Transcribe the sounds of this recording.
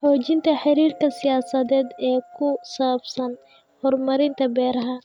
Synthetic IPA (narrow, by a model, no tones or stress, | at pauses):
ħɔːt͡ʃɪnt̪ʰɐħɪɾiːrkʰɐsɪjaːsɐðɛːd̪ɛːkʰʊsɐbsɐn | hɔrmɐɾɪnt̪ʰɐbɛːɾɐɦɐ